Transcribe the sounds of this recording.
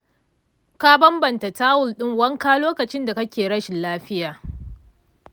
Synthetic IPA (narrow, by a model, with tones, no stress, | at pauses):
ka˦bɐ˦mbɐ˨nta˨taː˦wʊ˨lɗɪ˦˨ŋwɐ˦ŋkaː˦loː˦kɐ˨t͡ʃɪ˦nda˨kɐ˦kʲeː˨ɽɐ˦ʃɪ˨nlaː˦ɸɪ˦jaː˨